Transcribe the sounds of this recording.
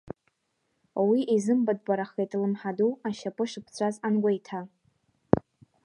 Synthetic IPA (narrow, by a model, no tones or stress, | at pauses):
wiʔizɨmbad̚ɡʷʼaɾaχejtʰʼlɨmħaduaʃapʼɨʂɨpʰt͡sʷʰazanɡʷajtʰa